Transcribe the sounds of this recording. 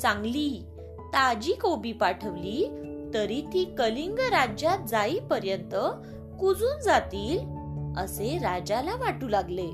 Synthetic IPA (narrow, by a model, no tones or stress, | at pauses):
sãŋɡliː | t̪ad͡ʑiːkobipaʈʰəʋlit̪əɾit̪ikəliŋɡɾad͡ʑjat̪̚d͡zaipəɾjənt̪ə | kud͡zuːnd͡zat̪iːlə̰seɾad͡ʑalaʋaʈuːlaɡle